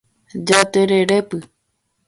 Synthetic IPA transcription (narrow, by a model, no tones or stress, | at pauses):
d͡ʒat̪eɾeepɨ